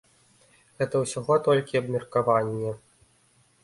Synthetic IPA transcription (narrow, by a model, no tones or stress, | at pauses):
ɣɛt̪ɐwsʲaɣɔt̪ɔlʲkʲiɐbmʲirkavanʲːɛ